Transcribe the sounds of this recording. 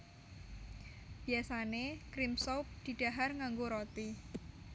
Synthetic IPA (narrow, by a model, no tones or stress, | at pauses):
b̥i̤asanekɾimsop̚d̪̥i̤ɖ̥a̤ɦarŋaŋɡoɾot̪i